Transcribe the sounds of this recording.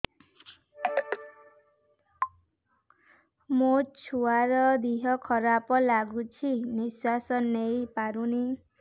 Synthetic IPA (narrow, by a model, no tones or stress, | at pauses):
mot͡ʃʰuaɾɔd̪iɦɔkʰɔɾapɔlaɡut͡ʃʰiniswasɔnːejpaɾuni